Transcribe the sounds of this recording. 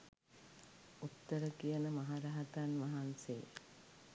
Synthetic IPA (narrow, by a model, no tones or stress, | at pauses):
ut̪ːəɾəkijənəmɐɦaɾaɦat̪anʋɐɦanse